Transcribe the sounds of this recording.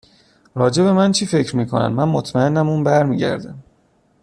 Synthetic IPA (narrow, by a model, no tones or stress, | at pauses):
ɾɒːd͡ʒe̞be̞mænt͡ʃʰiːfe̞cʰɾmiːkʰonæ̰nmænmot̪ʰmæe̞nːæmuːnbæɾmiːɟæ̰ɾd̪æm